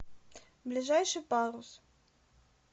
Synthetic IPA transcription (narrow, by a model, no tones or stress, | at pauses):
blʲiʐajʂɨpaɾus